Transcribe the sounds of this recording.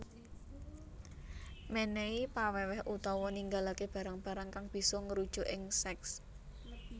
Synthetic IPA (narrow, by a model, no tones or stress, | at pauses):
meneipawɛwɛɦʔut̪ɔwɔniŋɡalakeb̥ä̤ɾaŋb̥ä̤ɾaŋkaŋb̥i̤sɔŋəɾud̥ʒ̥o̤ʔɪŋsɛks